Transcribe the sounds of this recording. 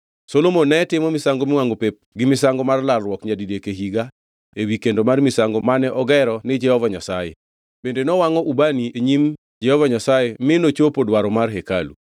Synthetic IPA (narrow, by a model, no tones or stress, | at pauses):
solomonɛtɪmɔmɪsaŋɡomɪwaŋɡopep̚ɡɪmɪsaŋɡɔmarlalrwɔkɲadidekeɦiɡa | ewikendomarmɪsaŋɡɔmanɛʔɔɡɛɾɔnɪd͡ʒɛhɔvaɲasajḛ | b̥endenɔwaŋɔʔubanieɲim | d͡ʒɛhɔvaɲasajemɪnot͡ʃopodwaɾɔmarɦekalṵ